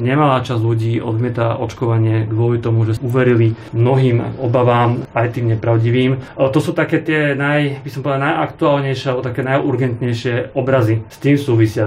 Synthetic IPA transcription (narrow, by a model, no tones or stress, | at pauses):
ɲɛmalaːt͡ʃazluɟiːʔɔ̰d̪mɪɛt̪aʔɔt͡ʃkɔʋaɲɪɛɡʋʊɔlit̪ɔmuʒɛuʋɛɾili | mnɔɦiːmɔbaʋaːmajt̪iːmɲɛpɾaʊɟiʋiːmt̪ɔsuːt̪akɛːt̪ɪɛnajbisɔmpɔʋɛd̪anajʔakt̪uaːlɲɛjʃɪɛalɛbɔt̪akɛːnajʔuɾɡɛnt̪ɲɛjʃɪɛɔbɾazist̪iːmsuːʋisɪa